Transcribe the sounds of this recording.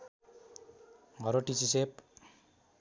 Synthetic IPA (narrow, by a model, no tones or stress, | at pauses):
mʱʌɾoʈisisep